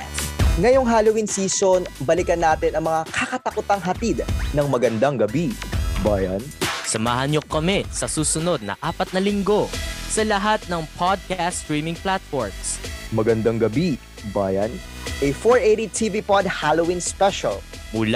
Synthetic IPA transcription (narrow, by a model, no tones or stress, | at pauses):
ŋɐjoŋɦaːlowinsiːsonbɐlɪkɐnːaːt̪ɪnɐŋmɐŋakakɐt̪ɐkʊt̪aŋɦɐt̪id̪nɐŋmɐɡɐnd̪aŋɡɐbibaːjɐnsɐmaːhɐnɲokɐmɛsɐsuːsʊno̞d̪̚nɐ̰ʔaːpɐt̪̚nɐlɪŋɡo̞sɐlɐɦat̪̚nɐŋpʰad̪̚kast̪ɹiːmɪŋplat̪̚foɹmsmɐɡɐnd̪aŋɡɐbi | baːjɐnʔɛfoɹeɾit̪ʰivipɔd̪̚halowinspɛʃɐ̰l | muːla